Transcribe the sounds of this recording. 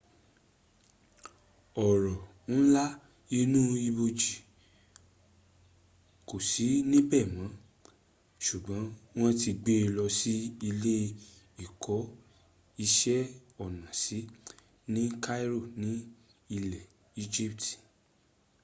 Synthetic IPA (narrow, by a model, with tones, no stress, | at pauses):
ɔ˨ɾɔ˨ | ñ̩˦la˦ | i˧˦nũ˦i˧bo˧d͡ʒi˨ | ko˨si˨˦nĩ˦bɛ˦˨mã˨˦ | ʃu˨ɡ͡bã˨˦w̃ɔ̃˦ti˧ɡ͡be˦˧lɔ˧si˦i˧le˦ | i˨kʰɔ˨˦ | i˧ʃɛ˦ɔ˨nã˨si˨˦ | nĩ˦ka˦i˦ɾo˦˨nĩ˨˦ | i˧lɛ˨ | i˦d͡ʒi˦pti̥˨